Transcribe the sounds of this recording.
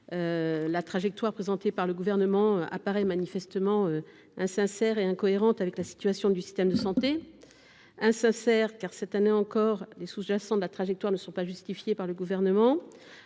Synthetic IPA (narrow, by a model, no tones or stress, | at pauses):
ølat̪χaʒɛk̚t̪waʁpχezɑ̃t̪epaʁləɡuvɛʁnəmɑ̃ʔa̰paʁɛmanifɛst̪əmɑ̃ø | ɛ̃sɛ̃sɛʁeɛ̃kɔeʁɑ̃t̪avɛklasi̥t̪ɥasjɔ̃d̪ysi̥st̪ɛmd̪əsɑ̃t̪e | ɛ̃sɛ̃sɛʁkaʁsɛt̪aneɑ̃kɔʁlesuʒasɑ̃d̪əlat̪χaʒɛk̚t̪waʁnəsɔ̃paʒyst̪ifjepaʁləɡuvɛʁnəmɑ̃